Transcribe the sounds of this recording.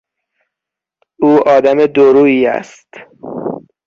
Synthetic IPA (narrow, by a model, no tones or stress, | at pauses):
uːʔɒːd̪æmed̪oɾuːiːæ̰st̪